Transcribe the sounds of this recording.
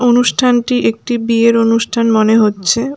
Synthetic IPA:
onuʃʈʰanʈiʔek̚ʈibieɾonuʃʈʰanmoneɦotːɕʰe

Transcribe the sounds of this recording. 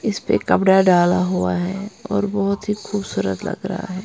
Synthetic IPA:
ɪspḛkɐpɽaɖaːlaɦuaɦɛːɔːɾbɔɦʊt̪ɦixuːbsuːɾət̪lɐ̰ɡɾɐ̰ɦa̰ɦɛː

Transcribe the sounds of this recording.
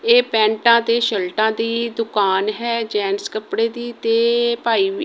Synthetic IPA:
eːpɛ̃ːɳʈãːt̪eːʃəlʈãːd̪iːd̪ʊkaːnɦɛːd͡ʒɛːnskəpɽeːd̪iːt̪eːpaːiːʋ

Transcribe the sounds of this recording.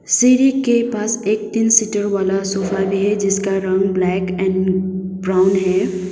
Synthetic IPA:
siɾikepaːseːk̚t̪insiʈəɾʋaːlasoːfabʱiɦɛd͡ʒɪskaɾɐ̃ŋɡblɛːkɛ̃nbɾaːʊnɦɛː

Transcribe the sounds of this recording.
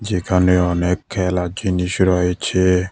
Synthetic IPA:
d͡ʒikaneɔnɛkʰɛlad͡ʒiniʃiɾɔet͡ʃe

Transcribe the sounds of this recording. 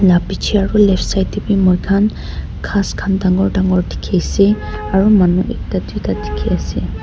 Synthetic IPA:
lapit͡ʃʰiaɹulɛpʰsajtibimɔjkʰan | kʰaskʰandaŋɔɹdaŋɡɔɹdʰi̥kʰejsɛ | aɹumanuʔɛk̚tadutadi̥kʰiasɛ

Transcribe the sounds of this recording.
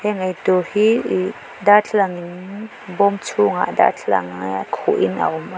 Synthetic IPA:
hɛŋɐjtɔhi | dat͡ɬʰlaŋin | bɔmt͡sʰuŋa̰da̰t͡ɬʰla̰ŋkʰɔʔinɐ̰ʔɔma

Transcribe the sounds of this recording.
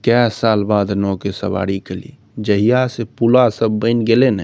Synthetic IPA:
kɛsaːlbaːd̪nɔkesə̰ba̰ːɽikəlḭ | d͡ʒəɦijasepulasəbːəɪnɡelenɛ

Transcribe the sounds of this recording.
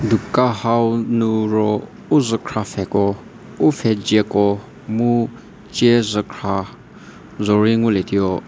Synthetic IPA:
dukahawnuɾɔ | uzəkʰɹafɛkɔ | ufʰɛd͡ʒɛkɔ | mu | t͡ʃɛzəkʰɹa | zɔɹiŋulɛt̪ijɔ

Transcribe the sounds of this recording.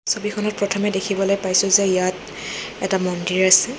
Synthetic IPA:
sobikʰɔnɔt̚pɹɔtʰɔmɛdekʰibɔlojpajsʊzɛijat | ɛtamɔndiɹasɛ

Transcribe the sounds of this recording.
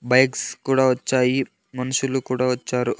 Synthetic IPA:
bɐjkskuːɽaːʋɐt͡ʃːaːji | mɐnuʃulukuːɽaːʋɐt͡ʃːaːɾu

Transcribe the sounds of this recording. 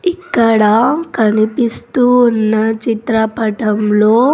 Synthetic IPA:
ikːɐɽɐkɐnipist̪uːnːɐt͡ʃit̪ɾɐpɐʈɐmlo̞ː

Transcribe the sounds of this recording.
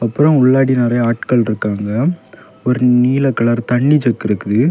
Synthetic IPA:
ɐpːɯɾɐ̃ʊɭːaːɽinɐɾɐjaːʈkɐɭɾɯkːaːŋɡɐ | ɔɾɯniːlɐkːɐɭaːɾt̪ɐɳːit͡ʃɐkːɪɾɯkːɯðɯ

